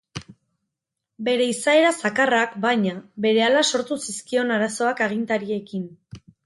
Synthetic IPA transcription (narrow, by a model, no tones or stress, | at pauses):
be̞ɾe̞isae̞ɾasakarakbajɲabe̞ɾe̞alaso̞ɾt̪usiskio̞naɾaso̞akaɣ̞int̪aɾie̞kin